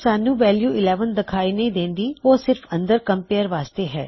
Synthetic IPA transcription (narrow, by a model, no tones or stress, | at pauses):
saːnũːʋɛːljuːɪlɛːʋənd̪ɪkʰaːiːnə̃ĩːd̪ẽːnd̪iːoːsɪɾfʰə̃nd̪əɾkəmpeːəɾʋaːst̪eːɦɛ̰ː